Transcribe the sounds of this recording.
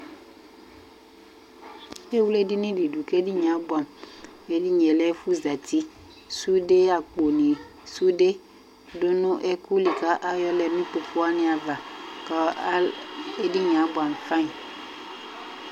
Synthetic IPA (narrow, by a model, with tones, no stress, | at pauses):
e˦wle˦di˦nĩ˦ɖi˨ɖu˨ke˦di˦ɲã˨˦bu˦a˨m | e˦di˦ɲɛ̃˨lɛ˦fu˦za˨t̪i˦ | su˦ɖe˦ja˨k͡po˨nĩ˨ | su˦ɖe˦ | do˦nũ˦ʔɛ˦ku˦li˨ka˦ʔa˦jɔ˦lɛ˨mĩ˦k͡po˨fo˦a˦nĩ˦a˨va˨kɔ˦ | e˦di˦ɲ˨ã˨˦bo˨a˨m˨fã˦i˨